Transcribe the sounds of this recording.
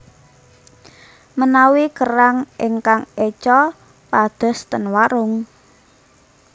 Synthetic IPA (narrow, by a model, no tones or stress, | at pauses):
mənawikəɾaŋʔɪŋkaŋet͡ʃɔ | pad̪̥ə̤st̪ənwaɾʊŋ